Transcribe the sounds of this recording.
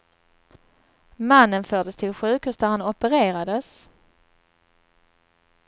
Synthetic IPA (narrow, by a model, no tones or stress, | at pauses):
manːənfœːɖəst̪ʰɪlɧʉ̟ːkʰʉːsd̪æɾhanɔpəɾeːɾad̪əs